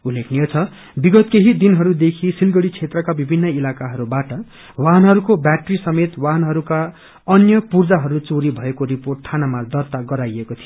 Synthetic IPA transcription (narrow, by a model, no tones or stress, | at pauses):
ulːekʰnijot͡sʰʌ | biɡʌt̪keɦid̪inɦʌɾud̪ekʰisilɡʌɽit͡sʰet̪rʌkabibʱinːʌilakaɦʌɾubaʈʌ | waɦnɦʌɾukobjaʈrisʌmet̪waɦnɦʌɾuka | ʌnjʌpurd͡zaɦʌɾut͡soɾibʱʌekoɾiporʈ̚t̪ʰanamad̪ʌrt̪aɡʌɾajekot̪ʰij